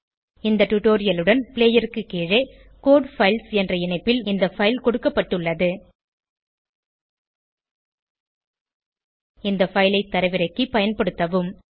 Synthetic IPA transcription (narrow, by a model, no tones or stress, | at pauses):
ɪnd̪ɐʈʊʈoːɾɪjɐlɯɽɐnpɪɭeːjɐɾɯkːɯkːeːɻeː | koːɖfɐɪlsɛndrɐɪɳɐɪpːɪlɪnd̪ɐfɐjɪlkɔɽɯkːɐpːɐʈːɯɭːɐðɯ | ɪnd̪ɐfɐɪlɐɪt̪ːɐɾɐʋɪɾɐɪkːipɐjɐnpɐɽɯt̪ːɐʋɯm